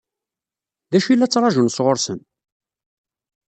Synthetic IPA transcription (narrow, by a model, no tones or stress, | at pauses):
ðæʃilːæt͡sːɾˤɑʒunsʁʊɾsən